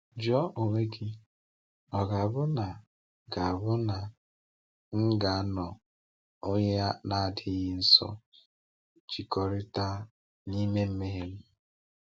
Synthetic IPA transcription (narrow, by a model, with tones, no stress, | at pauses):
d͡ʒɔ˦ʔo˨ŋʷe˦ɡɪ˦ | ɔ˨ɡa˨bʊ˦na˨ | ɡa˨a˨bʊ˦na˨ | ŋ̩˦ɡa˨a˦nɔ˨ | o˦ɲe˦a˦na˦a˨dɪ˦ɣɪ˦n̩˦sɔ̰˦ | t͡ʃi˨kɔ˨ɾɪ˦ta˦ | ni˦me˦m̩˦me˦ɦe˦m̩˦